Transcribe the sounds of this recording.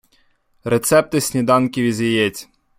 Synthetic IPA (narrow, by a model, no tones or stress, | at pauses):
ɾet̪sɛp̚t̪ɪsʲnʲid̪ɑnkʲiʋʲizʲjijɛt͡sʲ